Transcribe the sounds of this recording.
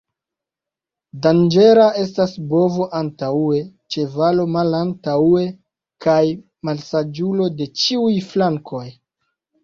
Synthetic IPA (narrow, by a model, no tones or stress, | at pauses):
dand͡ʒe̞ɾaʔe̞s̬tasbo̞vo̞ʔantaue̞t͡ʃe̞valo̞malantaue̞ | kaj | malsad͡ʒulo̞de̞t͡ʃiujflaŋkʰo̞j